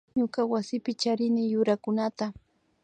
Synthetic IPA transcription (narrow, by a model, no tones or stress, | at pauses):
ɲʊkawasɪpɪt͡ʃaɾɪnɪjʊɾakʊnat̪a